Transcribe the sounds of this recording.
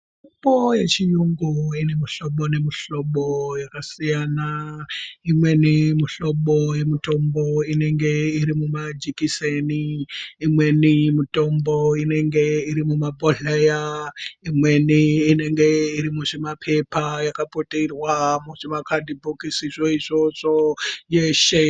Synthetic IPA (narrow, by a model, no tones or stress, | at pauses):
upoje̞t͡ʃijuŋɡuine̞miɬo̞ɓone̞miɬo̞ɓojakasijana | imwe̞nimuɬo̞ɓoje̞mito̞mboine̞ŋɡe̞iɾimumad͡ʒikiseniːmwe̞nimito̞mbo̞ine̞ŋɡe̞iɾimumabʱoɮejaimwe̞niːne̞ŋɡe̞iɾimuʐemapʰe̞pajakapoterwamuʐemakʰadibʱukisiʐoiʐo̞ʐojeʃe